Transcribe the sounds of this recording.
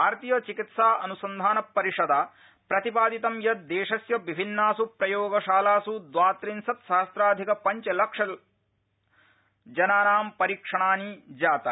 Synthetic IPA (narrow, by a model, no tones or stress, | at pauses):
aːɾt̪ijɐt͡ʃikit̪saːɐ̰nusɐnd̪ʱaːnɐpːɐɾiʂɐd̪aː | pɾɐt̪ipaːd̪it̪ɐmjɐt̪̚d̪eːʃɐsjɐʋibʱinːaːsupɾɐjoːɡɐʃaːlaːsud̪ʋaːt̪ɾinsɐt̪ʃɐaɦɐst̪ɾaːd̪ʱikɐpɐɲt͡ʃɐlɐkʂɐ | d͡ʒɐnaːɾaːmpɐɾiːkʂɐɳaːnid͡ʒaːt̪ɐ